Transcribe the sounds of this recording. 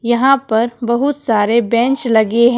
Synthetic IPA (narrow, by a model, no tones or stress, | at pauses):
jɐɦãpɐɾbɐɦʊt̪saːɾebɛ̃ːnt͡ʃlɐɡeɦɛ̃